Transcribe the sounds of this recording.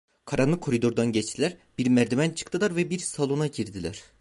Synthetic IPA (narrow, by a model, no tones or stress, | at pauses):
kʰaɾanlˠɯkʰːo̞ɾid̪o̞ɾd̪anɟɛt͡ʃt̪ʰilʲæɾb̥iɾmɛɾd̪imænt͡ʃʰɯ̥kt̪ʰɯlˠaɾvɛbiɾsalˠunaɟiɾd̪ilʲæɾ̥